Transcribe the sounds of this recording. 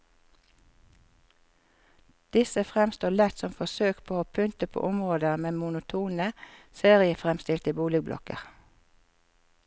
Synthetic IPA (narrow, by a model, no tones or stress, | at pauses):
d̪̥ɪsəfʁɛmst̪oːlɛt̪sɔmfɔsøːkpʰoːoːpʰʏnt̪əpʰo̰ːʔʊmʁoːd̪əʁmeːmʊnʊt̪ʰuːnəseːʁɪəfʁɛmst̪ɪlt̪əbuːlɪɡblɔ̰kə̰ʁ